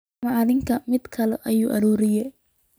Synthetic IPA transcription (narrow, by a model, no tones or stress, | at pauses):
mɐɐðɪŋkʰɐmɪd̪kʰɐlɛʔɐjuːʔɐɾuːɾɪjɛ